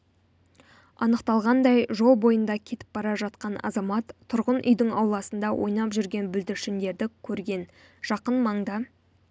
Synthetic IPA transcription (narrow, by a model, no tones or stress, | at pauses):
ɑ̰nəqt̪ɑlˠʁɑnd̪ɑjʒo̞lˠbo̞jənd̪ɑkʲʰe̞t̪ɪ̥p̚bɑɾɑʒɑt̪̚qɑnɑ̰zɑmɑt̪ʰːʊɾʁənʔʏ̰jd̪ɪŋɑwlˠɑsənd̪ɑwʔo̞̰jnɑpʒʏɾɡʲe̞nbʏld̪ɪɾʃɪnd̪e̞ɾd̪ɪkʲʰɵɾɡʲe̞n | ʒ̥ɑqənmɑɴd̪ɑ